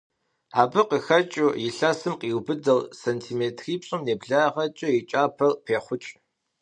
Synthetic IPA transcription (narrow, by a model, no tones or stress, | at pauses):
aːbɨqixɐt͡ʃʼʊjɪɬɐsɨmqiːwbɨdɐlsentʰiːmeːtʰriːpɕʼʊmneːbɮaːʁɐt͡ʃʼʊit͡ʃʼaːpʰɐrpʰeːχʷʊt͡ʃʼ